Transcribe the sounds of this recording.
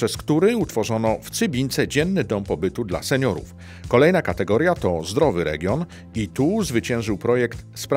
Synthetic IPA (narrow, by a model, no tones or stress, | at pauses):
ɛskt̪uɾɛut̪fɔʐɔnɔft̪sɘbʲiɲt̪sɛd͡ʑɛnːɘd̪ɔmpɔbɘt̪ud̪la̰sɛɲɔɾṵf | kɔlɛjnakat̪ɛɡɔɾjat̪ɔzd̪ɾɔvɘɾɛ̰ɡʲjɔn | it̪uzvɘt͡ɕɛ̃w̃ʐɘwpɾɔjɛkt̪spɾ